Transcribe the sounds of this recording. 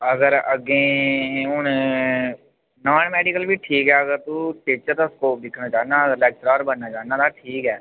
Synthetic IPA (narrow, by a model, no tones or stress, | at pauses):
əɡəɾɐɡẽ | ʊne | naːnmɛːɖɪkəlbʱiʈʰiːkɦɛɐɡəɾt̪uʈeːt͡ʃəɾt̪ʊskoːp̚d̪ɪkʰnat͡ʃaːnaəlɛːk̚t͡ʃɾaːɾbənːat͡ʃaːnat̪ʰaʈʰiːkɦɛː